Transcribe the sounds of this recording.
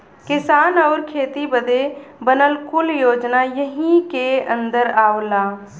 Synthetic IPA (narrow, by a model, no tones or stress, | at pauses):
kɪsaːnɔːɾkʰeːt̪ibəd̪ebənəlkʊljoːd͡ʒnajəɦĩkeə̃nd̪əɾaːolaː